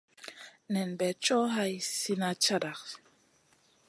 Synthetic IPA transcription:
nɛ˨nbɛ˨t͡ʃɔ˦ɦa˦jsi˦na˨t͡ʃa˦da˨k

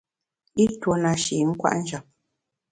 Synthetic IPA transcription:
i˦two˨na˨ʃi˨˦ŋ̩˦kwa̰˦ʔn̩˦d͡ʒa˨p̚

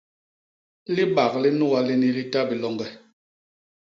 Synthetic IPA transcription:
li˦ɓa˨kli˦nu˦a˦li˦ni˦li˦ta˦bi˨lɔ˨ŋɡɛ˨

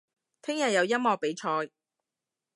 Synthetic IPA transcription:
t̪ʰɪ˥ŋjɐ˨t̚jɐ˨˧wjɐ˥t̚mɔː˨˧k̚pe˨˥jt͡ʃʰɔː˧j

